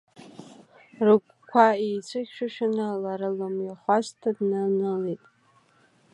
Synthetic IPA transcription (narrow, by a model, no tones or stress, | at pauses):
rɨkʷʰʼkʷʰaijt͡sʷʰɨkʲʃᶣaʃᶣanalaɾɨlamjaχʷaztʰadnanɨletʼ